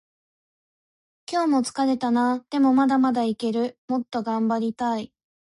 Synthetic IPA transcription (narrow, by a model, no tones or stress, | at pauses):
kʲo̞ːmo̞t͡sɨ̥kaɾe̞t̪anad̪̥e̞mo̞mad̪amad̪aike̞ɾɯ̟mo̞t̪ːo̞ɡãmbaɾʲit̪ai